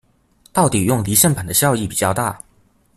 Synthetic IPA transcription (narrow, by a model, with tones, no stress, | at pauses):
t̪ɑ˥˩ʊt̪i˨˩jʊ˥˩ŋli˧˥ɕjə˥˩npʰa˨˩nd̪ə˦ɕjɑ˥˧ʊi˥˩pi˨˩t͡ɕjɑ˥˧ʊt̪a̰˥˩